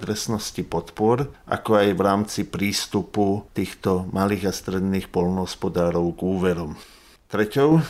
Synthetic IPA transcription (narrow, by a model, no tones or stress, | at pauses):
t̪ɾɛsnɔscipɔt̪pʊɔɾʔa̰kɔajʋɾaːmt͡sipɾiːst̪uput̪iːxt̪ɔmaliːɣast̪ɾɛd̪niːxpɔlnɔɦɔspɔd̪aːɾɔʊɡuːʋɛɾɔm | t̪ɾɛcɔʊ